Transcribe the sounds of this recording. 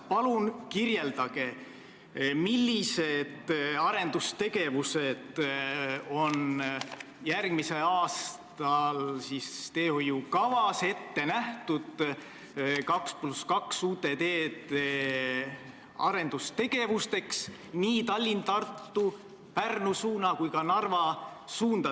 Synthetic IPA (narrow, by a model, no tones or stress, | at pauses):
pɑlunkirje̞ld̪̥ɑɡ̥e̞ | milʲːise̞d̪̥ɑɾe̞nd̪̥ust̪e̞ɡe̞vuse̞d̪̥ | o̞n | jærɡ̥mise̞ɑːst̪ɑlsist̪e̞ːho̞jukɑvɑse̞t̪ːe̞næht̪ud̪̥ | kɑkspluskɑksuːt̪e̞d̪eːt̪e | ɑ̰ɾe̞nd̪̥ust̪e̞ɡ̥e̞vust̪e̞ks | niːt̪ɑlʲːint̪ɑrt̪ːu | pærnusuːnɑkujkɑnɑrvɑsuːnd̪̥ɑ